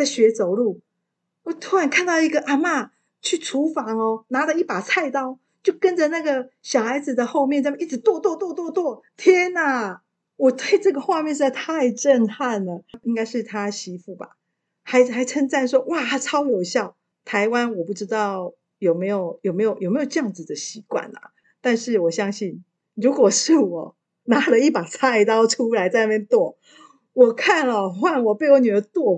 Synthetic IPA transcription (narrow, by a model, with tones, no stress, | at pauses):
t͡sa˥˩ɪɕɥɛ˧˥t͡so˨˩ʊlu˥˩ | wɔ˨˩t̪ʰu˧˥ɻa˧˥nkʰa˥˧nt̪ɑ˥˩ʊi˧˥ɡə˨ʔa˨˩ma˥˩ | t͡ɕʰy˥˩ʈ͡ʂʰu˧˥fɑ˧˥ŋɔ˧na˧˥d̪ə˨˦i˥˩pa˨˩t͡sʰa˥˧ɪt̪ɑ˥ʊ | t͡ɕjo˥˩ʊkə˦˥nd͡ʒə˨na˥˩ɡə˩ɕjɑ˨˩ʊxa˧˥ɪd͡z̩˨d̪ə˩xo˥˧ʊmjɛ˥˧nt͡sm˨ʔi˥˩ʈ͡ʂɻ̩˧˩t̪wɔ˥˧t̪wɔ˥˧t̪wɔ˥˧t̪wɔ˥˧t̪wɔ˥˩t̪ʰjɛ˥na˨˩ | wɔ˨˩t̪we˥˧ɪʈ͡ʂɤ˥˩ɡə˩xwa˥˧mjɛ˥˧ʂɪt̪ʰa˥˧ɪʈ͡ʂə˥˧nxa˥˩nə˨˩i˥ŋka˥ɪʂɻ̩˥˩t̪ʰa˥ɕi˧˥fu˥˩ba̰˨˩ | xa˧˥ɪxa˧˥ɪt͡sʰə˥ŋt͡sa˥˧nʂwɔ˥wa˥˧˩t͡sʰɑ˥ʊwɔ˨˩ɕjɑ˥˩ʊ | t̪ʰa˧˥ɪwa˦˥nwɔ˨˩pu˥˩ʈ͡ʂɻ̩˥t̪ɑ˥˩ʊ | jo˨˩ʊme˧˥ɪjo˨˩ʊjo˨˩ʊme˧˥ɪjo˨˩ʊjo˨˩me˧˥jo˨˩ʈ͡ʂjɑ˥˨˩ŋd͡zɹ̩˨˩d̪ə˨ɕi˧˥kwa̰˥˩nɐ̰˩ | t̪a˥˧nʂɻ̩˥˩wɔ˨˩ɕjɑ˥ŋɕi˥˩n | ɻu˧˥kwɔ˨˩ʂɻ̩˥˩wɔ˨˩˦ | na˧˥lə˨i˥˩pa˨˩t͡sʰa˥i˧˩t̪ɑ˥ʊʈ͡ʂʰu˥la˧˥ɪt͡sa˥˧ɪna˥˩jɛ˥˧nt̪wɔ˥˩ | wɔ˨˩kʰa˥˩nə˨˩xwa˥˩nwɔ˨˩pe˥˧ɪwo˧˥ʊny˨˩ə˧˥t̪wɔ˥˩